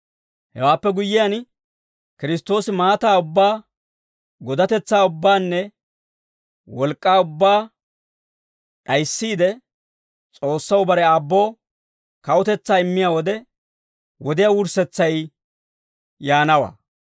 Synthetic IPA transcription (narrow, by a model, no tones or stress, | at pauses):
hɛ̰waːpːɛɡʊjːɪjan | kɪɾɪs̬t̪ːo̞ːsɪmaːt̪aːʊbːaː | ɡɔd̪ɐt̪ɛt͡sːaːʊbːaːnːɛ | wɔlkʼːaːʊbːaː | ɗɐjsːiːd̪ɛ | t͡sʼo̞ːsːɐwbɐɾɛaːbːo̞ː | kɐwɔt̪ɛt͡sːaːɪmːɪjaːwɔd̪ɛ | wɔd̪ɪjaːwʊɾsɛt͡sːɐj | jaːnɐwa̰ː